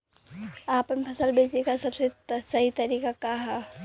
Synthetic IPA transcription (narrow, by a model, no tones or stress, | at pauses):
aːpəpʰɐsəlbʱeːt͡ʃekasɐbsesɐɦit̪əɾiːkakaɦa